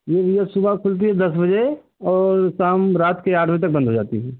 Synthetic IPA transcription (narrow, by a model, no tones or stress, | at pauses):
jeʋijəsʊbakʰʊlt̪̬iɦɛd̪ɐs̬bɐd͡ʒe | ɔːɾsaːmɾaːt̪keaːʈʰmẽt̪ɐk̚bɐ̃nd̪ɦod͡ʒa̰ːt̪iɦɛː